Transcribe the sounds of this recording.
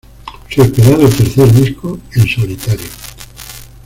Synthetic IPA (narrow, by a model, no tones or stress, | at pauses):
seespeɾaðelt̪eɾθeɾðiskoenso̞lit̪aɾjo